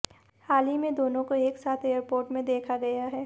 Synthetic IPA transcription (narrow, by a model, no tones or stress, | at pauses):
haːlimẽd̪oːnõkoeːksaːt̪ʰeːjəɾpoːɾʈmẽd̪eːkʰaɡɐjaɦɛː